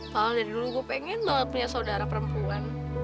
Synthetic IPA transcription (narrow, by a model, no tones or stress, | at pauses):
kalodadiduluɡuapɛŋɛnlapuɲasaodaɾapəɾəmpuan